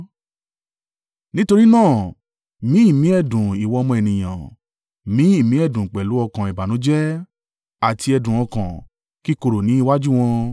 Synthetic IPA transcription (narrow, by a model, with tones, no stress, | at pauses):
nĩ˦to˧ɾi˦nãː˦˨ | mĩ˨˦i˦˨mĩ˨˦ɛ˦˨dũ˨i˨wɔ˧mɔ̃˧ɛ˨nĩ˨j̃ã̰˨ | mĩ˨˦i˦˨mĩ˦ɛ˦˨dũ˨k͡pɛ˨lu˨˦ɔ˧kã˨ɛ˨ba˨nũ˨˦d͡ʒɛ˦ | a˨ti˧ɛ˧dũ˨ɔ̃˧kã̰˨ | ki˦ko˧ɾo˨nĩ˨˦i˧wa˦d͡ʒu˦˨w̃ɔ̃˧